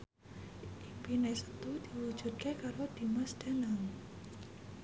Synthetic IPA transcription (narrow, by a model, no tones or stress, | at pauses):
ʔʔimpinesə̥t̪ud̪̥iwu̥d͡ʒ̥ṳt̪̚kekaɾod̪̥imasd̥anaŋ